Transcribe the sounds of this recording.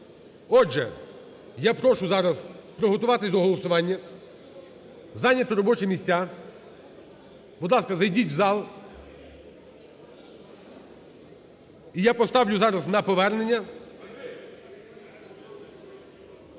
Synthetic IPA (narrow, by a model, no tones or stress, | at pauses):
ɔʒɛ | japɾɔʃʊzɑɾɐzpɾɔɦɔt̪ʊʋɑt̪ɪsʲd̪ɔɦɔlˠɔsʊʋɑnʲːɐ | zɑnʲːɐt̪ɪɾɔbɔt͡ʃɪmʲisʲt͡sʲa | bʊd̪lˠɑskɐzɐjdʲitʲwzɑlˠ | ijapɔst̪ɑwlʲʊzɑɾɐznɐpɔʋɛrnenʲːɐ